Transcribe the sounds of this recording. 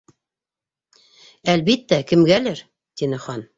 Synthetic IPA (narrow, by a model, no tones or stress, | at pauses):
ælbit̪ːækɘ̆mɡælɘɾ | t̪inɘχɑn